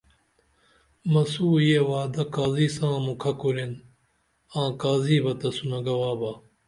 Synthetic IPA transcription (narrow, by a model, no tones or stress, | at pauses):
mɐsuːjewaːd̪ɐkaːziːsãːmũkʰɐkuɾin | ãːkaːziːbɐt̪ɐsunɐɡɐwaːbɐ